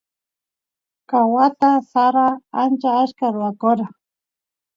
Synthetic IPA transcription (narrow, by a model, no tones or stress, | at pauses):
kawat̪asaɾaant͡ʃaaʃkaɾʊwakʊɾa